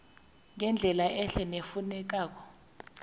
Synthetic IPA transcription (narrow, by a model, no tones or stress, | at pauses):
ŋɛnd͡ɮʱɛlaʔɛɬɛnefunɛk̬aːk̬ɔ̥